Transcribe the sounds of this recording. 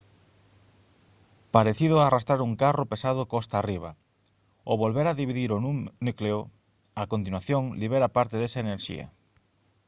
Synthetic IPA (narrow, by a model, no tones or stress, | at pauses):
paɾeθiðʊarast̪ɾaɾuŋkaropesaðokɔst̪aːriβ̞a | oβolβeɾaðiβiðiɾonunukleo | akont̪̬inwaθjoŋliβ̞eɾapaɾt̪eðesaeneɾʃḭɐ̰